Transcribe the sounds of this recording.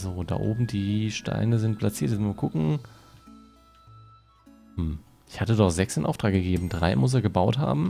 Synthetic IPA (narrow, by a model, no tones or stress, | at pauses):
zoːda̰ːʔo̰ːbm̩diːʃta̰ɪnəzɪnt̚pʰlat͡siːɐtɛnuːɐkʰʊkŋ̩ | hm̩ | ʔɪçhatədɔχz̥ɛksɪnʔaʊtʁ̥aːk̚ɡ̥əɡeːbm̩dʁa̰ɪmʊs̬eːɐɡəbaʊtha̰ːbm̩